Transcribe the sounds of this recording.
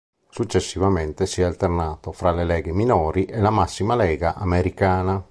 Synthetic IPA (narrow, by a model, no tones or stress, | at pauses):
sut͡ʃːesːivament̪esiɛalt̪ernaːt̪ofɾalelɛːɡeminɔːɾiʔelamasːimalɛːɡaʔameɾikaːna